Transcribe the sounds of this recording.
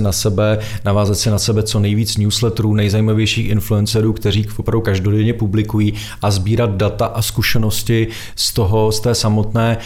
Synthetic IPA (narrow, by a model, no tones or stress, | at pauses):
ɪnasɛbɛnavaːzat̪sɪnasɛbɛt͡so̞nɛjviːt͡snjuːslɛt̪ɾuːnɛjzajimavjɛjʃiːxʔɪnfluɛnsɛɾuːkt̪ɛr̝iːopɾavdukaʒdo̞dɛɲɛpublɪkujiː | ʔazbiːɾat̪̚dat̪aʔaskuʃɛno̞scɪ | st̪o̞ɦo̞st̪ɛːsamo̞t̪nɛː